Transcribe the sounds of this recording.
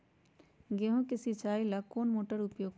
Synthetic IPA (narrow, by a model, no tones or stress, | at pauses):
ɡeɦõkesit͡ʃaːilɐkoːnmoːʈəɾʊpjoːɡ